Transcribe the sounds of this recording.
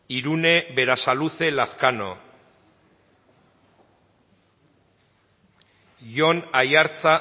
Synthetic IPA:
iɾune̞βe̞ɾasaluse̞laskano̰ | ʝo̞najaɾt͡sa

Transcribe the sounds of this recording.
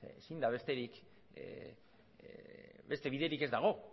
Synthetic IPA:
esind̪aβ̞e̞st̪e̞ɾik | be̞st̪e̞βiðe̞ɾike̞zd̪aɣ̞o̞

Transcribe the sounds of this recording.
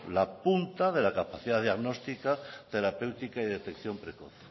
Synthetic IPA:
lapunt̪aðelakapaθiðaðjaɣnost̪ikat̪e̞ɾape̞wt̪ikaiðe̞t̪ekθjompɾekoθ

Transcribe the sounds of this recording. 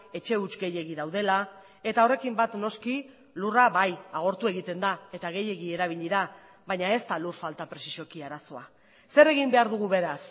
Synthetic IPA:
e̞t͡ʃe̞ut͡ʃɡe̞je̞ɣiðawð̞e̞la | e̞t̪ao̞re̞kimbat̪no̞ski | luraβajaɣ̞o̞ɾt̪ue̞ɣit̪e̞nd̪ae̞t̪aɣe̞je̞ɣie̞ɾaβ̞iʎiɾa | βaɲae̞st̪alurfalt̪apɾe̞si̥ʃo̞kiaɾaso̞a | se̞ɾe̞ɣimbe̞aɾðuɣ̞uβe̞ɾas

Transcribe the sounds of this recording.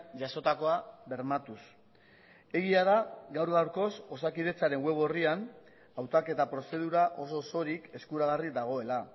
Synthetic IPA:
ʝaso̞t̪ako̞aβe̞ɾmat̪us | e̞ɣ̞iaðaɡawɾɣawɾko̞so̞sakiðe̞t͡saɾe̞ŋwe̞β̞o̞rian | awt̪ake̞t̪apɾo̞se̞ð̞uɾaʔo̞so̞so̞ɾike̞skuɾaɣarid̪aɣ̞o̞e̞la

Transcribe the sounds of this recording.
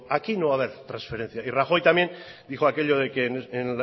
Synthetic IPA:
akinoβaβe̞ɾt̪ɾãnsfe̞ɾẽ̞n̟θjairaxo̞jt̪amje̞nd̪ixoakeʎo̞ðekenenl

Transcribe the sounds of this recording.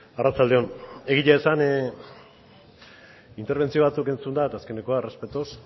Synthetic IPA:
arat͡sald̪e̞o̞ne̞ɣ̞iʎaesan | int̪eɾβ̞e̞nt͡sio̞βat͡suke̞nt͡sund̪at̪aske̞ne̞ko̞are̞spe̞t̪os

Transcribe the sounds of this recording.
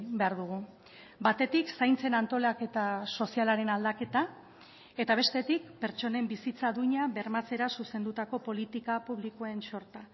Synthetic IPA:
be̞aɾðuɣu | bat̪e̞t̪iksajnt͡se̞nant̪o̞lake̞t̪aso̞sialaɾe̞nald̪ake̞t̪a | e̞t̪aβ̞e̞st̪e̞t̪ik̚pe̞ɾt͡ʃo̞ne̞mbisit͡saðuɲaβe̞ɾmat͡se̞ɾasuse̞nd̪ut̪ako̞po̞lit̪ikapuβ̞likoe̞nso̞ɾt̪a

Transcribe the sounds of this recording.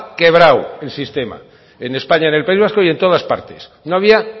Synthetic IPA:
ke̞β̞ɾawe̞lsist̪e̞ma̰ | ene̞spaɲaene̞lpaizβasko̞ie̞nt̪o̞ð̞aspa̰ɾt̪e̞̥snoaβ̞ia

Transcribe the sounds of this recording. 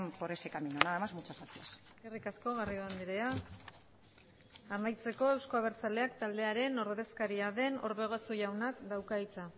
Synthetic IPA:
mpoɾesekaminonaamazmut͡ʃasat̪iaseskerikasko̞ɣarioand̪iɾe̞a | majt͡se̞ko̞e̞wsko̞aβ̞e̞ɾt͡sale̞akt̪ald̪e̞aɾe̞no̞ɾðe̞skaɾiaðe̞no̞ɾβe̞ɣ̞osuʝawnakd̪awkait͡sa

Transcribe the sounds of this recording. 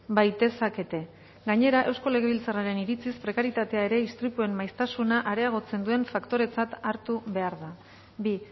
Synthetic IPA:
bajt̪e̞sake̞t̪e̞ | ɡaɲe̞ɾaʔe̞wsko̞le̞ɣe̞βilt͡saraɾe̞niɾit͡sispɾe̞kaɾit̪at̪e̞ae̞ɾe̞ist̪ɾipue̞mmajst̪asunaʔaɾe̞aɣ̞o̞t͡se̞nd̪ue̞ɱfakt̪o̞ɾe̞t͡sat̪aɾt̪uβe̞aɾða | bi

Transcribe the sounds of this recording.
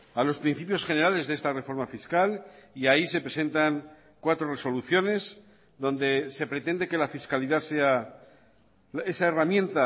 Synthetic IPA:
alo̞spɾin̟θipjo̞sχe̞ne̞ɾale̞zðe̞st̪are̞fo̞ɾmafiskaliaise̞pɾe̞se̞nt̪aŋ | kwat̪ɾo̞re̞so̞luθjo̞ne̞z | ðo̞nd̪e̞se̞pɾe̞t̪e̞nd̪e̞ke̞lafiskaliðase̞a | esaeramjẽ̞nt̪a

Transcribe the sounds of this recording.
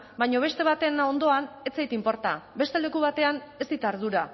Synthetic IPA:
bajɲo̞β̞e̞st̪e̞βat̪e̞nond̪o̞anet͡sejt̪impo̞ɾt̪abe̞st̪e̞le̞kuβat̪e̞ane̞st̪it̪aɾð̞uɾa

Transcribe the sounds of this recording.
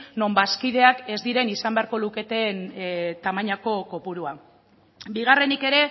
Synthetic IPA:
no̞mbaskið̞e̞ake̞zd̪iɾe̞nisambe̞aɾko̞luke̞t̪e̞nt̪amaɲako̞ko̞puɾua | biɣ̞are̞nike̞ɾe̞

